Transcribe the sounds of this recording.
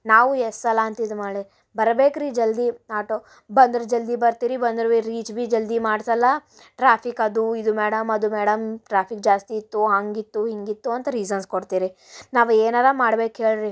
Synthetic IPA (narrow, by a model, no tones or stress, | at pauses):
naːʋuesɐlːɐːnt̪ɐid̪umɐːɭi | bɐɾɐbeːkɾid͡ʒɐld̪iaːʈoː | bɐnd̪ɾɐd͡ʒɐld̪ibɐɾt̪iːɾibɐnd̪ɾʋiɾiːt͡ʃbid͡ʒɐld̪imaːɽsɐlːɐ | ʈɾaːpʰikɐd̪uid̪umeːɽɐmɐd̪umɛːɽɐmʈɾaːpʰikd͡ʒaːst̪iːt̪ːuɦaːŋɡit̪ːuɦiŋɡit̪ːuɐnt̪ɐɾiːzɐnskoɽt̪iːɾi | naːʋueːnaːlɐmaːɽbeːkɦe̞ːɭɾi